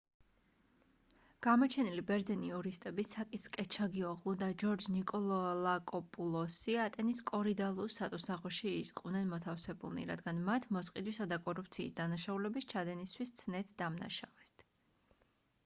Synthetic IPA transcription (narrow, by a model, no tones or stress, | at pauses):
ɡ̥amɔt͡ʃʰɛnilibɛɾd̪zɛniuɾist̪ʼɛbisakʼit̪ʰskʼɛt͡ʃʰaɡiɔʁlˠud̪ad͡ʒɔɾd͡ʒnikʼɔlˠɔlˠakʼɔpʼulˠɔsiat̪ʼɛniskʼɔɾid̪alˠusat̪ʼɔsaʁɔʃiːsʼqʼvnɛnmɔt̪ʰafsɛbṵlˠnḭɾa̰d̪ɡanmat̪ʰmɔsqʼid̪wisad̪akʼɔɾup̚ʰt̪sʰiːsd̪anaʃaulɛbist͡ʃʰad̪ɛnist̪ʰwist̪sʰnɛt̪ʰd̪amna̰ʃavɛst̪ʰ